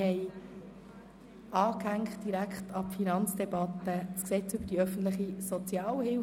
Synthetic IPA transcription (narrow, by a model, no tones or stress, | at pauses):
hɛɪ | ɑːkhæŋkχt̚d̥iɾækχtʰɑpfinɑnt͡sd̥ɛbɑt̪ːəsksɛt͡sʉbəd̥iœfən̩t̪lɪχisot͡sjɑːlhɪl